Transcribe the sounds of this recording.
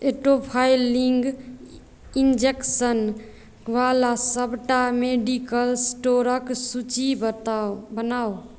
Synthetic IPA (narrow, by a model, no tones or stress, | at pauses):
eʈopʰailiŋɡ | ind͡ʒeksən | ʋalasəbʱʈameɖikəlsʈoɾəksut͡ʃibət̪abənaw